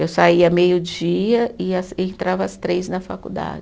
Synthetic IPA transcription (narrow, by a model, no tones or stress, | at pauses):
ewsaiɐmejʊd͡ʒiɐɪasẽnt̪ɾavɐːst̪ɾejznɐfakṵd̪a̰d͡ʒɪ